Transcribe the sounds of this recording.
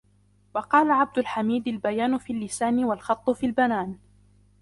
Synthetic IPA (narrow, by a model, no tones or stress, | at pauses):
wɑqɑːlaʕab̚d̪ʊlħamiːd̪albajaːnʊfiːlːɪsaːnɪwalxɑt̪ˤːʊfiːlbanaːn